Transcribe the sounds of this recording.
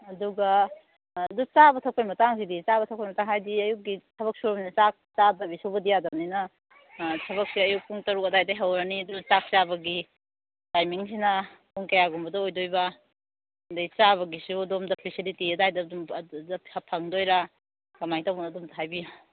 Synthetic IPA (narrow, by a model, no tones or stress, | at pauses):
ɐduɡɐ | ɐdut͡ʃabɐtʰɐwkʰojmɐtaŋsidit͡ʃaβɐtʰɐwkʰojmɐtaŋhajdiɐjuk̚ɡitʰɐβɐk̚suɾmnɐt͡ʃak̚t͡ʃadɐbisuwbɐdijadɐninɐ | tʰɐβɐk̚siɐjuk̚puŋtɐɾuk̚ɐdajdɐjɦɐwɾɐniɐdunɐt͡ʃak̚t͡ʃabɐɡi | tajmiŋsinɐ | puŋkɐjaɡumbɐdɐojdojbɐ | ndɐjt͡ʃaβɐɡisuɐdomdɐpʰisilitiɐdajdɐdumɐhɐpʰɐŋdojɾa | kɐmajtɐwbunɐdumtɐɦajbiju